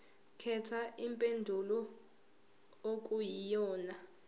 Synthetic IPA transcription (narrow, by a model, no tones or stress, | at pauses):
kʰɛtʰaʔimpʼendʱulɔ | ok̬ʼujijɔːna